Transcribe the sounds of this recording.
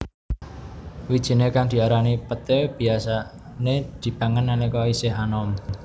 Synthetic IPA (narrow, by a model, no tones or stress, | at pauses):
wid̥ʒ̥i̤nekaŋd̪̥i̤aɾanipət̪eb̥i̤asa | ned̪̥i̤b̥aŋənːanikɔisɪɦanɔm